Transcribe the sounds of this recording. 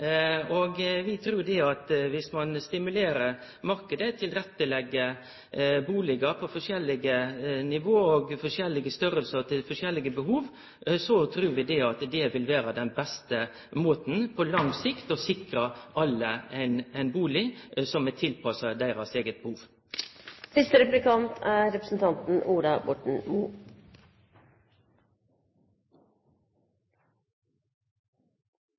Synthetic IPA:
ɔɡʋɪt̪ʰɾʉːɖ̪ɛɑt̪ʋɪsmɑnst̪ɪmʉleːɾəɾ | mɑɾkəd̪ət̪ʰɪlɾɛt̪ːəlɛɡːə | buːlɪɡəɾpʰɔfɔʂɛlːɪɡənɪʋoːɔɡfɔʂjɛlːɪɡəst̪ʏɾəlsəɾt̪ʰɪlfɔʂjɛlːɪɡəbəɦuːʋ | sɔt̪ʰɾʉːɾʋɪd̪ɛɑt̪d̪ɛʋɪlʋæːɾəd̪ɛnbɛst̪ə | moːt̪n̩pʰɔlɑŋsɪkt̪ɔsɪkɾəɑlːəæɪnæɪnbuːlɪsɔmɛt̪ʰːɪlpʰɑsɑd̪æɪɾɑseːɡət̪̚bəhuːʋ | sɪst̪əɾɛpʉlɪkʰɑnt̪ʰæːɾɛpɾəsn̩t̪ʰɑnt̪n̩ʔuːɖɑbɔʈɳ̩muː

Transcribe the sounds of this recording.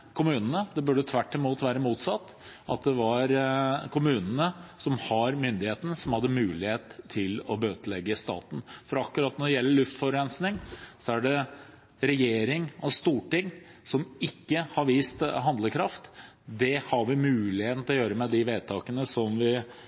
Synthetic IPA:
kʰʊmʉːnənəd̪ɛbʉːɖət̪ʰʋæʈːɪmuːt̪ʋæːɾəmuːt̪sɑt̪ːʔɑt̪̚d̪ɛʋɑɾkʰʊmʉːnənəsɔmhɑɾmʏnd̪ɪheːt̪n̩sɔmhɑd̪ːəmʉːlɪheːt̪ʰːɪlɔbøːt̪əlɛɡːəst̪ɑ̰ːt̪n̩fɔɾɑkːʉɾɑːt̪nɔɖɛjɛlːəɭʉft̪fɔɾɾɛnsnɪŋsɔæɖɛ | ɾɛjeːɾɪŋɔst̪uːʈɪŋːsɔmɪkːəhɑɾʋiːst̪ɦɑnd̪ləkʰɾɑft̪ | d̪ɛhɑɾʋɪmʉːlɪheːt̪n̩t̪ɪlɔjøːɾəmɛd̪ɪʋeːd̪̚t̪ʰɑːkənəsɔmʋɪ

